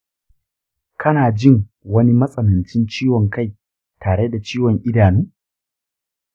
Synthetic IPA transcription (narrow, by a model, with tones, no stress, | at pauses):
kʰɐ˦naː˨d͡ʒɪ˦˨ŋwɐ˦ni˦mɐ˦sʼɐ˨nɐ˨nt͡ʃɪ˦nt͡ʃiː˦wɔ˨ŋka˦˨j | tʰaː˨ɽe˦da˨t͡ʃiː˦wɔ˨ŋʔɪ˦daː˨nuː˦